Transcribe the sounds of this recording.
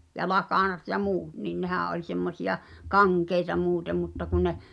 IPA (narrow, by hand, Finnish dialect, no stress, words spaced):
jɑ lɑkɑˑnɑt jɑ muːt nin nehæˑ ʔolʲ semːosij̆ɑ kɑŋkeitɑ muːtem mutːɑ kun ne